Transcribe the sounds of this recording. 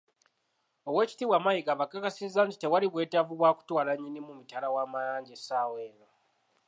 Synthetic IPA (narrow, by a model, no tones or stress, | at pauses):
o̞we̞ːci̥tiwamajikaβakːakasizːaːnti̥te̞waliβwe̞ːtavuβwaːku̥twaːlaɲːinimumitalawaːmajaːɲɟesaːwe̞ːno